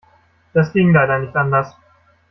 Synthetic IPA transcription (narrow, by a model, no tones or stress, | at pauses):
d̥askiŋlajdanɪçt̪ʔand̪as